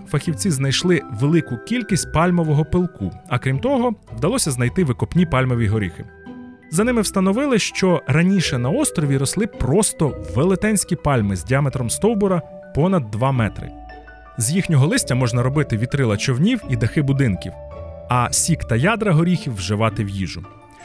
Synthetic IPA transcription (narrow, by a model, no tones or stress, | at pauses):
fɐxʲiwt͡sʲiznɐjʃlˠɪʋelˠɪkʊkʲilʲkʲisʲt̚ʲpɑlʲmɔʋɔɦɔpɪlˠkuɐkɾʲimt̪ɔɦɔwd̪ɐlˠɔsʲɐznɐjt̪ɪʋɪkɔpnʲipɑlʲmɔʋʲiɦɔɾʲḭxɪ̰ | zɐnɪmɪwst̪ɐnɔʋɪlˠɪʃt͡ʃɔɾɐnʲiʃɛnɐɔst̪ɾɔʋʲiɾɔslˠɪpɾɔst̪ɔʋelˠɪt̪ɛnʲsʲkʲipɑlʲmɪzʲdʲiamet̪ɾɔmst̪ɔwbɔɾɐ | pɔnɐd̪ːʋɑmɛt̪ɾɪ̰ | zjixnʲɔɦɔlˠɪsʲtʲɐmɔʒnɐɾɔbɪt̪ɪʋʲit̪ɾɪlˠɐt͡ʃɔwnʲiwid̪ɐxɪbʊd̪ɪnkʲḭwɐsʲikt̪ɐjɑd̪ɾɐɦɔɾʲixʲiwːʒɪʋɑt̪ɪwjḭʒʊ̰